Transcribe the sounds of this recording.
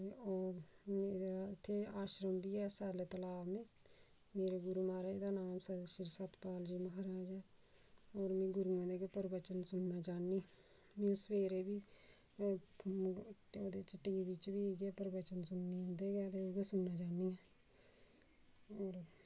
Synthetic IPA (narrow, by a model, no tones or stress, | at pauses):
oːɾed̪aɪt̪ʰːeːaːʃɾəmbiːɛːsaːleːt̪əlaːmẽː | meːɾeːɡʊɾuːmaːɾaːeːd̪aːnaːmsaɾʃɪɾsət̪paːld͡ʒiːməɦaɾaːd͡ʒɛː | oːɾmẽːɡʊɾuːõnd̪eːɡepəɾbət͡ʃənsʊnːaːt͡ʃaːniː | mẽːsəʋeːɾeːbiː | oːd̪eːt͡ʃɪʈːiːbɪt͡ʃbiːɡɛːpəɾbət͡ʃənsʊnːiːɦʊ̃nd̪eːɡɛːt̪eoːɡesʊnːaːd͡ʒaːniːɛː | oːɾ